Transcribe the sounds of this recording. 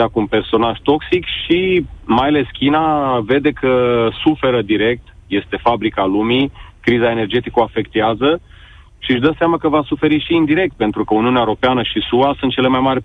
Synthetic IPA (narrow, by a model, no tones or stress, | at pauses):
akumpe̞rso̞naʒt̪o̞ksikʃimajale̞skʲinave̞d̪e̞kəsufe̞ɾəd̪iɾe̞k̚t̪je̞st̪e̞fabɾikalumikɾizae̞nerd͡ʒe̞t̪ikoafe̞kt̪eazə | ʃiʃd̪əseamakəvasufe̞ɾiʃiːnd̪iɾe̞k̚t̪̚pe̞nt̪ɾukəuniuneaeɾo̞peanəʃisuasunt̪̚t͡ʃe̞le̞majmaɾʲ